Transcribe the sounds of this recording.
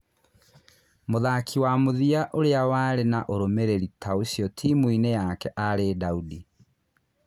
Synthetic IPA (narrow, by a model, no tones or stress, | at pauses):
moðakʰiwamoðiaʔoɾeawaːɾenaʔoɾomeɾeɾitʰaosiɔtʰimuinejakɛʔaɾedaudi